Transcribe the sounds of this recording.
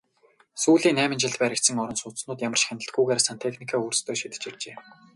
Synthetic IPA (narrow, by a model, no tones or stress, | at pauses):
suːɮiːŋnæːmʲɪ̆nt͡ɕɪ̆ɮt̪pæːɾʲɪ̆kt̪sə̆ŋɔɾɞ̆nsʊt͡s̪snʊːt̪jamə̆r̥ʃxanə̆ɬt̪̚ɡujɣaːɾsant̪ʰexnikʰaːuːrst̪ʰoːʃit̪ɘ̥̆t͡ɕirt͡ɕeː